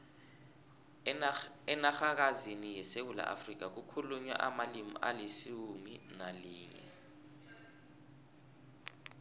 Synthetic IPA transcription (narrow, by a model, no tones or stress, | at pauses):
ɛnaxak̬azinijɛsew̬ula̰ʔa̰frik̬ak̬ukʰuluɲɛ̰ʔamalimḭʔalesiwuminaliːŋɛ̰